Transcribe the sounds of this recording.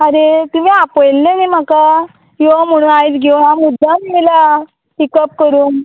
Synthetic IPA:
aɾet̪um̤iːapəjlːenim̤aka | iʋam̤əɽ̃uːnajt͡sɡʱewɦamud̪ʱːamimila | ʈikəp̚kəɾuːn

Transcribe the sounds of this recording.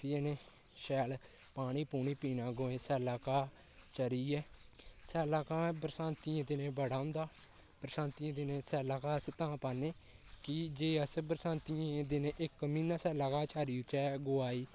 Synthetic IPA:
t̪ɪeneː | ʃɛːl | paːɳ̃iːpuːniːpiːnãːɡoːẽːsɛːlaːkaː | t͡ʃəɾiːɛːsɛːlaːkãːbɾsãːnt̪iãːd̪ɪnẽːbəɽaːʊ̃nd̪aː | pɾəsãːnt̪iãːd̪ɪnẽːsɛːlaːkaːəst̪ãːpaːneː | kɪd͡ʒeːəsbɾsãːnt̪iãd̪ɪnʔɪkmĩːnãːsɛːlaːkaːt͡ʃʰaːɾiːʊt͡ʃɛːɡʊːaːiː

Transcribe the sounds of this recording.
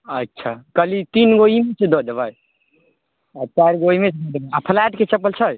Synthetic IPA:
ətːʃʰakəlit̪inɡoimesed̪od̪əbaj | ɔt͡ʃaɾɡoimesed̪od̪ebajapʰəlɛʈket͡ʃəpəlt͡ʃʰə

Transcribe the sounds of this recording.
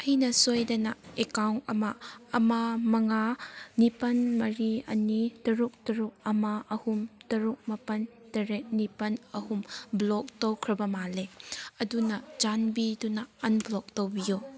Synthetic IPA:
ɐjnɐsojdɐnɐekawɐ̰maːmamɐŋanipɐnmɐɾiɐ̰nitɐɾuk̚tɐɾuk̚ɐmaʔɐhumtɐɾuk̚mɐpɐn | tɐɾet̚nipɐnɐhumblɔk̚towkʰɾɐbɐmaleɐdunɐd͡ʒanbidunɐɐnblɔk̚towbiju

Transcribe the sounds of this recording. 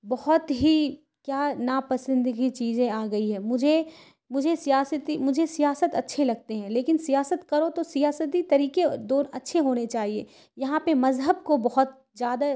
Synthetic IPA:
bɐɦɔt̪ɦi | kjaːnaːpɐsə̃nd̪ɡit͡ʃiːzẽaːɡɐiɦɛ̃ːmʊd͡ʒʱe | mʊd͡ʒʱesijaːsət̪imʊd͡ʒʱesijaːsət̪ɐtːʃʰelɐɡ̚t̪eɦɛ̃leːkɪnsijaːsət̪kɐɾot̪osijaːsət̪̬it̪ɐɾiːked̪ɔːɾɐtːʃʰeɦoːnet͡ʃaːɦiḛː | jɐɦãpemɐzɦəbkobɐɦʊt̪ | zjaːd̪a

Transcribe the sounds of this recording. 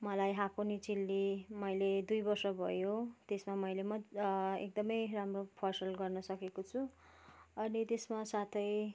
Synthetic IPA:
mʌlajɦãkonit͡silːimʌjled̪ujbʌrsʌbʱʌ̰jot̪esmamʌjlemʌḛk̚d̪ʌmʌjramropʰʌrsʌlɡʌrnʌsʌkekot͡sʰu | ʌnit̪esmasat̪ʰʌj

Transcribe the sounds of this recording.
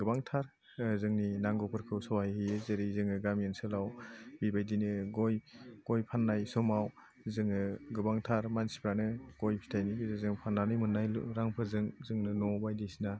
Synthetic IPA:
ɡɯbaŋtʰaɾ | zɯŋninaŋɡɔpʰɯɾkʰɯwsɔwajhijezeɾizɯŋɯɡamiensɯlawbibajdinɯɡɔjɡ̥ɔjpʰanːajsɔmaw | zɯŋɯɡɯbaŋtʰaɾmansi̥pʰɾanɯɡ̥ɔjpʰi̥tʰajnibizɯzɯŋpʰananɯjmɯnːajl̰ɾaŋpʰɯzɯŋzɯŋnɯnɔbajdisina

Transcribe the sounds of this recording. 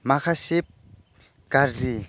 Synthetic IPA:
makʰaɕep̚ | karzi

